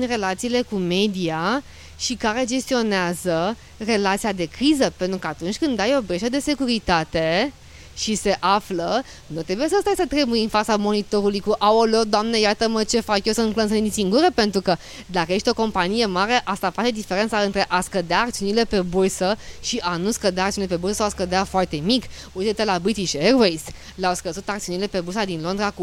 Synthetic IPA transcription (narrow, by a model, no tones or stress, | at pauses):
nre̞lat̪siːle̞kume̞d̪ia | ʃikaɾe̞d͡ʒe̞st̪io̞neazə | re̞lat̪sijad̪e̞kɾizəpe̞nt̪ɾukəat̪unt͡ʃʲkɨnd̪ajo̞bɾeʃəd̪e̞se̞kuɾit̪at̪e̞ | ʃise̞ʔaflə | nut̪ɾe̞buje̞səst̪ajsət̪ɾebujɨnfat̪samo̞nit̪o̞ɾulujkuʔaolod̪oamnejat̪əmət͡ʃe̞fakjosənklənsənid̪isiŋɡuɾepe̞nt̪ɾukə | d̪akəje̞ʃt̪ʲoko̞mpanije̞maɾe̞ʔast̪afat͡ʃe̞d̪ife̞ɾent̪saɨnt̪ɾe̞ʔaskəd̪eaːk̚t̪siunile̞pe̞bursəʃiʔanuskəd̪eak̪̚siunilepebuɾrsəsawaskəd̪eafoart̪e̞mik | ujt̪et̪elabɾit̪iʃeɾvejs | leawskəzut̪akt̪siunile̞pe̞bursad̪inlo̞nd̪ɾaku